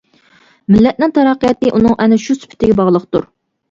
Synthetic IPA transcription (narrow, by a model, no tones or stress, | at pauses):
mɪlːɛt̪̚nɪŋt̪ʰɑɾɑqːəjɑt̪ɨʔunɨŋʔɛnɛʃusy̥pʰɪ̥t̪ʰːɪɡʲɛbɑʁlˠəqt̪uɾ